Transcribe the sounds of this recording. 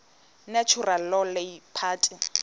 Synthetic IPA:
nat͡ʃʰurallɔleipʰaːtʼɪ

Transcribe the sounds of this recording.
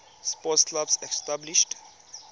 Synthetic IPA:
spɔsklabsɛkstabliʃʈ

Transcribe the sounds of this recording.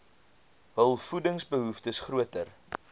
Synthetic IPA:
ɦəlˠfudəŋsbəɦuftəsχruətər

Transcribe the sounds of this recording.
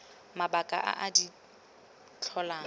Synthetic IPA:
mabakʼa̰ʔa̰ʔadi | t͡ɬʰɔlaː

